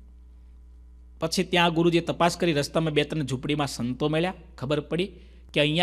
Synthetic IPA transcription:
pət͡ʃʰit̪jãɡʊɾud͡ʒet̪əpaskəɾiɾəst̪amẽbet̪ənd͡ʒʱupɽimãsənt̪omeɭja | kʰəbəɾpəɽi | keə̃ɦjã

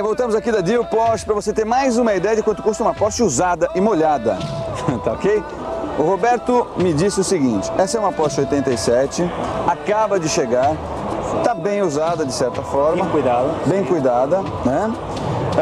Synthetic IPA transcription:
vowt̪ɐ̃mʊzakid̪ɐd̪iʊpɔt͡ʃɪ̥pɾɐvoset̪eɾmajzũmɐid̪ɛjɐd͡ʒɪkwɐ̃t̪ʊkust̪ɐũmɐapɔst͡ʃɪuzad̪ɐʔɪmoʎad̪ɐt̪aokej | ʊhobɛɾt̪ʊmɪd͡ʒisɪʊsɪɡĩt͡ʃɪ̥ɛsɐɛũmɐapɔst͡ʃɪojt̪ẽnt̪ɐjsɛt͡ʃɪakabɐd͡ʒɪʃeɡaɾ | t̪abẽj̃uzad̪ɐd͡ʒɪsɛɾt̪ɐfɔɾmɐ̃kujd̪ad̪ɐbẽj̃kujd̪ad̪ɐ | nɛ

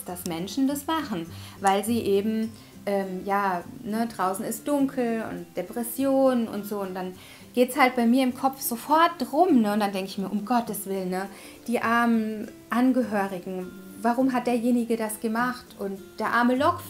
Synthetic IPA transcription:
d̥asmɛnʃn̩dasmaχn̩vaɪlziːʔeːbm̩ | ʔɛːmjaːnədʁaʊsn̩ɪst̚d̥ʊŋkʰl̩ʊ̰nt̚d̥epʁ̥ɛsjoːnʊ̰ntz̥oːʊntd̥an | ɡ̥eːtshalt̚b̥aɪmiːɐɪmkʰɔp͡fz̥ofɔɐt̚d̥ʁʊmnəʊnd̥andɛŋkəɪçmiːɐʔʊmɡɔtdəsv̥ɪlənːə | d̥iːʔaɐmən | ʔanɡəɦøːʁɪɡŋ̩ | vaʁ̞ʊmɦat̚d̥eːɐjeːnɪɡədasɡ̥əmaχtʔʊntd̥eːɐʔaɐməlɔk

